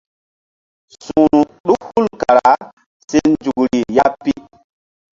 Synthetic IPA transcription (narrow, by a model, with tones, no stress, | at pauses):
su˨nu˨ɗu˦khu˦˨lka˨ɾa̰˨˦ | se˦nd͡ʒu˨kɾi˨ja˦pːi˦